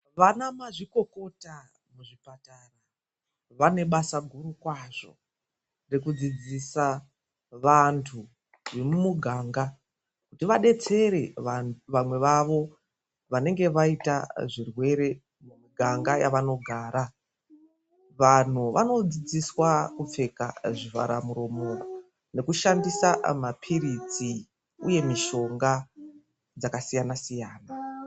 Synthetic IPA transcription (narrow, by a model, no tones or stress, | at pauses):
ʋanamaʐiko̞ko̞ta | muʐipatara | ʋane̞ɓasaɡʱuɾukwaʐo̞̰ | rekud͡zid͡zisa | ʋantʰu | remumuɡʱaːŋɡa | kutiʋaɗe̞t͡se̞ɾe̞aʋamwe̞ʋaʋo̞ | ʋane̞ŋɡe̞ʋaita̰ʐirwe̞ɾe̞ | mumuɡʱaŋɡaja̰ʋano̞ɡʱaːɾa | ʋan̤uʋa̰no̞d͡zid͡ziswakup͡fe̞ka̰ʐiva̰ɾamuɾo̞moo | ne̞kuʃandisamapʰiɾid͡zi | uje̞miʃo̞ŋɡa | d͡zakasijanasijaːna